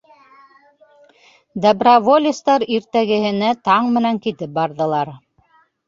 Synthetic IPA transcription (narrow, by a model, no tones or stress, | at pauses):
d̪ɑbravolʲist̪ɑɾiɾt̪æɡɘ̆hɘ̆næt̪ɑɴmɘ̆næŋkit̪ɘp̚bɑɾðɤ̆lˠɑɾ